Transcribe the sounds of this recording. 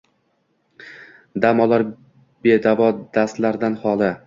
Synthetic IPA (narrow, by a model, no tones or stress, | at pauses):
d̪amɒlaɾ | b̥e̞d̪avɒd̪ast̪laɾd̪anhɒlˠɪ